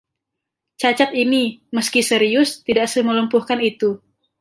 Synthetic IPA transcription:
t͡ʃat͡ʃat̪iniməskisəɾiʊst̪idaʔsəmələmpuhkanit̪u

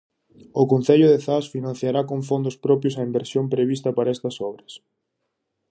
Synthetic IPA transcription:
ʊkõnθeʎʊðeθasfinãnθjaɾakoɱfond̪ʊspɾɔpjosɐimbeɾsjompɾeβist̪ɐpaɾɐɛst̪ɐsɔβɾɐs

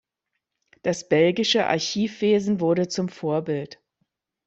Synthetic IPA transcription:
d̥asb̥ɛlɡɪʃəʔa̰ɐçiːfv̥eːzn̩vʊɐɾət͡sʊmfoːɐbɪlt

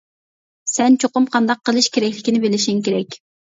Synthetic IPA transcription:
sɛnt͡ʃʰoqʊmqʰɑnd̪ɑqːəlˠɨʃkʲʰeɾɛkʲlɪkʲinɪbelɪʃiŋkʲeɾɛkʲ

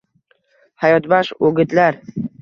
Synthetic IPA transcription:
hajɒt̪baʃoɡʲɪt̪laɾ

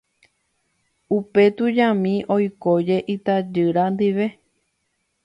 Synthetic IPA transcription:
upe̞t̪ud͡ʒãmĩʔo̞jkod͡ʒe̞ʔit̪ad͡ʒɨɾand̪iʋe̞

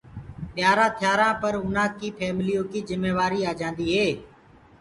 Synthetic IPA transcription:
ɓɪjaːɾãːt̪ʰɪjaːɾãːpəɾʊnãːkiːpʰɛːmliːjõːkiːzɪmːeːʋaːɾiːaːd͡ʒãːnd̪iːɦeː

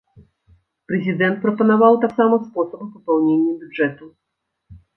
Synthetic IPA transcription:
pɾɛzʲid̪ɛnt̪̚pɾɔpɔnɔvawt̪aksamɔspɔsɔppɔpɛwɲʲeɲʲːɛbʲudʐɛt̪u

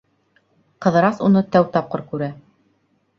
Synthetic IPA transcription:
qɤ̆ðɤ̆ɾɑsunɤt̪æwt̪ɑp̚qɤɾkʉɾæ

